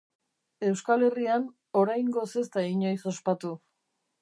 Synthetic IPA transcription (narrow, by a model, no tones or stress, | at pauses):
e̞wskale̞rian | o̞ɾajŋɡo̞se̞st̪aiɲo̞jso̞spat̪u